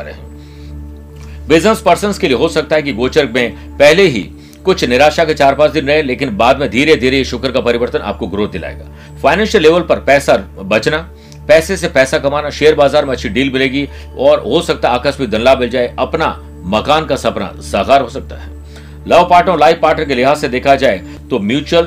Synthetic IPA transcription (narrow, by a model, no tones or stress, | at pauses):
ɾ̰ɦɛ̰̃ | bɪznəspɐɾsə̃nskelieɦosɐk̚t̪aɦɛk̬iɡoːt͡ʃəɾk̚mẽ | pɛɦleɦḭ | kʊt͡ʃʰnɪɾaːʃaket͡ʃaːɾpaːɾsd̪ɪnɾɐɦẽleːkɪnbaːd̪mẽd̪ʱiːɾed̪ʱiːɾeeʃʊkəɾkapɐɾɪʋəɾt̪ənʔa̰ːp̚koɡɾoːd̪d̪ɪla̰ːḛːɡa̰ː | faːɪnɛ̃ːnʃəlːeːʋəlpɐɾpɛːsabɐt͡ʃna | pɛːsesepɛːsakɐmaːnaʃeːəɾbaːzaːɾmẽɐʃʰiɖiːlmɪleːɡi | ɔːɾɦosɐk̚t̪aaːkəsmik̚d̪ɐnlaːmɪld͡ʒaːeʔɐpna | mɐkaːnkasɐpna̰sɐːɣaːɾɦosɐk̚t̪a̰ɦɛ̰ː | lɐʋpaːɾʈɾõlaːɪpaːɾʈəɾkelɪɦaːzsːed̪eːkʰad͡ʒaːe | t̪omjuːt͡ʃuwəl